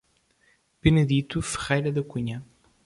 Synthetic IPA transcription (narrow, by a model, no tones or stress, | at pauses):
pɨnɨðit̪ufɨ̥ʁɛjɾɐðɐkuɲɐ